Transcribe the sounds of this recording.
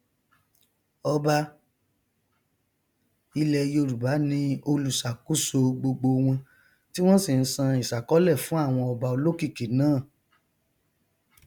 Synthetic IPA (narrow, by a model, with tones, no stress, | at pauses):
ɔ˧ba˧ | i˧lɛ˧jo˧ɾu˨ba˨˦nĩ˦o˧lu˨sa˨ku˦so˧ɡ͡bo˧ɡ͡bo˧wũ˧ | ti˦w̃ɔ̃˦si˨n̩˦sã˧i˨ʃa˨kɔ˨˦lɛ˦˨fũ˨˦a˦˨w̃ɔ̃˧ɔ˧ba˧o˧lo˦ki˦˨ki˨nãː˦˨